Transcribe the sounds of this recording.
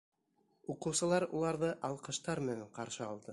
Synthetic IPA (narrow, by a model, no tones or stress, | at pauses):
uqɤ̆wsɤ̆lˠɑɾṵlˠɑɾðɤʔɑlˠqɤ̆ʃt̪ɑɾmɘ̆næɴqɑɾʃɤɑlˠd̪ɤ